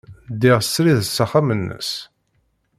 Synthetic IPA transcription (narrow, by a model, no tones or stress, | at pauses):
d̪iʁsɾiðsːəχamənːə̰s